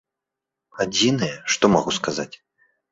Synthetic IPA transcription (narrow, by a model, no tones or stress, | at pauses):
ad͡zʲinɨjɛʂt̪ɔmaɣuskazat͡sʲ